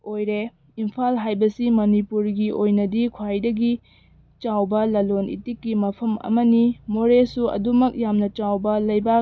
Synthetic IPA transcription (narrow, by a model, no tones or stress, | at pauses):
ojɾe | impʰalɦajbɐsimɐnipuɾɡiʔojnɐdikʰwajdɐɡi | t͡ʃawbɐlɐlonḭtikːimɐpʰɐmɐ̰mɐnimoɾesuɐ̰dumɐk̚jamnɐt͡ʃawbɐlɐjba